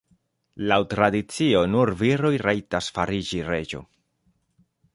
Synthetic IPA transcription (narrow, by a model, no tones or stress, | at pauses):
lawtɾadit͡sio̞nuɾviɾo̞jɾajtasfaɾid͡ʒiɾe̞d͡ʒo̞̰